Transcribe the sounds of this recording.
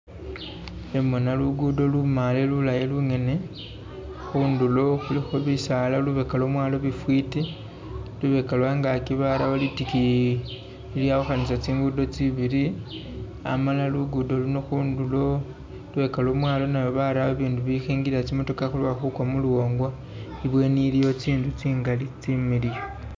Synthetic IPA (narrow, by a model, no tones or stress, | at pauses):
emonaluɡudo̞lumalelulajeluŋe̞ne̞ | xundulo̞xulixulisalaluβekalo̞mwaːlo̞βifwiti | luβe̞kalwaŋɡakiβaɾaβolitikiː | ljauxanisat͡siːŋɡudo̞t͡siβiɾi | a̰malaluɡudo̞luno̞xuːndulo̞ | luβe̞kalo̞mwaːlo̞najoβaɾawaβiːnduβixeːŋɡilat͡simo̞to̞kaxulwaxukwamuluwo̞ːŋɡwa | iβwe̞nilijo̞t͡siːndut͡siːŋɡalit͡similijo